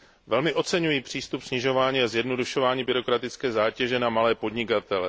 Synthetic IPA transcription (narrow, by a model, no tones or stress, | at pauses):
vɛlmɪʔo̞t͡sɛɲujiːpr̥iːst̪upsɲɪʒo̞vaːɲiːazjɛdno̞duʃo̞vaːɲiːbɪɾo̞kɾat̪ɪt͡skɛːzaːcɛʒɛnamalɛːpo̞dɲɪkat̪ɛlɛ